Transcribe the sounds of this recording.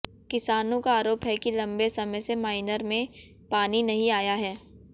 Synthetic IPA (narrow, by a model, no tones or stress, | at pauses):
kɪsaːnõkaaːɾoːpɦɛkilɐ̃mbesɐməjsemaːɪnəɾmẽ | paːninɐɦĩaːjaɦɛː